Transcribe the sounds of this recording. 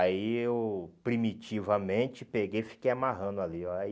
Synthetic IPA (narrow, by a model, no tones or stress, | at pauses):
aiewpɾimit͡ʃivɐmẽt͡ʃɪpeɡejfi̥kejamaɦɐ̃d̪ʊaliɔ